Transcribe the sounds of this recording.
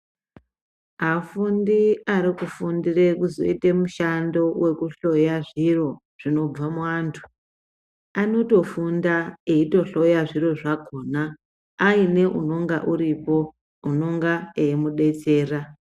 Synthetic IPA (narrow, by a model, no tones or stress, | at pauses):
afundiaɾikufundire̞kuzo̞̰ite̞muʃando̞we̞kuɬo̞jaʐiro̞ | ʐ̥ino̞b͡vamuaːntʰu̥ | ano̞to̞fundaeito̞ɬo̞jaʐiro̞ʐako̞ːnaː | ine̞ʔuno̞ŋɡa̰ʔuɾipo̞ | uno̞ŋɡaeimuɗe̞t͡se̞ːra